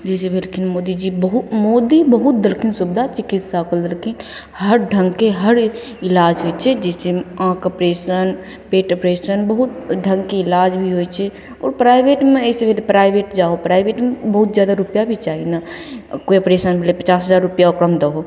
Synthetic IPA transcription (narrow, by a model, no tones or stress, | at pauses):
d͡ʒɛːsebelkʰɪnmoːd̪id͡ʒibəɦʊmoːd̪ibəɦʊt̪̚d̪əlkʰɪnsʊbd̪ʱat͡ʃɪkɪt̪saːkəld̪əlkʰɪn | həɾɖʱə̃ŋɡkeɦəɾ | ɪlaːd͡ʒɦoet͡ʃʰɛd͡ʒɛːseãːkəpɾeːʃən | peːʈəpɾeːʃənbəɦʊt̪ɖʱə̃ŋɡkeɪlaːd͡ʒbʱiɦot͡ʃʰɛ | ɔ̰ːɾpɾaːɪbeːʈmẽɛːsebʱeːlepɾaːɪbeːʈd͡ʒaːopɾaːɪbeːʈmẽbəɦʊt̪zjaːd̪aɾʊpjabʱit͡ʃaːɦinakoiəpɾeːʃənbʱelepət͡ʃaːsɦəzaːɾːʊpjaokɾəmd̪əɦo